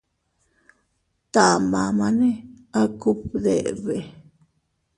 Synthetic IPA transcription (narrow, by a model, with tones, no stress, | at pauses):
t̪a˨mã˨mã˧nẽ˦ | a˦ku˦pd̪ḛ˨βe˨